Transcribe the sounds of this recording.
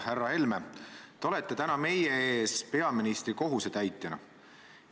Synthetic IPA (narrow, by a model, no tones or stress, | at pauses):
hærːɑhe̞lmet̪eo̞le̞t̪ːˑe̞t̪ænɑme̞jee̞ːspe̞ɑminist̪riko̞ɦuse̞t̪æjt̪ːˑenɑ̰